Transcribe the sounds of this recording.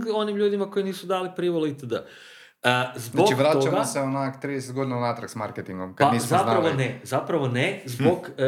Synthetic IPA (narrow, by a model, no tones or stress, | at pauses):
o̞nimʎuːd̪imako̞iniːsud̪aːlipɾiʋolit̪ed̪a | əzboaivɾaːot͡ʃaɡamaseonako̥t̪ɾiːd̪es̬et̪ɡo̞d̪inaunat̪ɾaksmaɾket̪iŋɡomkadanissapnaɾaʋonezapɾaʋonezboɡ